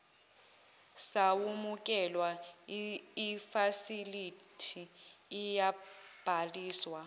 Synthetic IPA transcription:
sawumukʼɛlwa | ifasilitʰiːjab̥ʱaliːswa

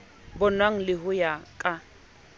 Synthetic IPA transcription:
bʊnwaŋ̩lɪɦʊjakʼa

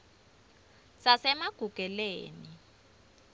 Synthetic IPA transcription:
sasɛmaɡ̥ʱuɡ̥ʱɛleːni

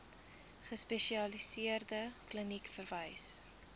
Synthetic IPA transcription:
χəspɛʃiɐlisiərdəklənikfərvəjs

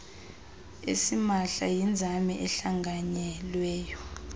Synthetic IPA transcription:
ḛsimaɬajind͡zʱamɛʔɛɬaŋɡʱaɲɛlwɛːjɔ

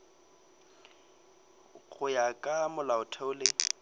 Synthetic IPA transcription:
ɣʊjakʼamʊlaʊtʰɛʊlɪ

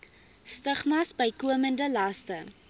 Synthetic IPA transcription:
stəχmɐsbəjkuəməndəlɐstə

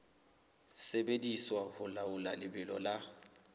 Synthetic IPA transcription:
sebediswahʊlaʊlalɪbɪlɔ̰la

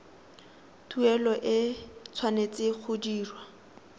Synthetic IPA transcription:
tʰuɛlɔʔɪt͡sʰwanet͡sɪχʰʊdiːrwa

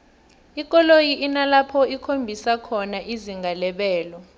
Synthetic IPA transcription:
ik̬ʼɔlojiʔinalapʰɔikʰombʱisakʰɔnaʔiziŋɡʱalɛɓɛːlɔ

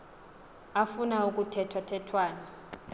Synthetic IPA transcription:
afunauk̬ʼutʰɛtʰwatʰɛtʰwaːna

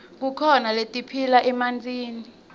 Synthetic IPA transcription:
k̬ukʰɔnaletʼipʰilaʔɛmand͡zʱʼiːni

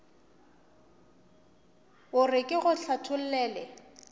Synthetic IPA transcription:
ʊrɪkʼɪɣʊɬʰatʰʊl̩lɛːlɛ

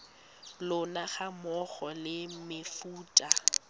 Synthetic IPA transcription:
lʊnaχamɔχɔlɪmɪfuːtʼa

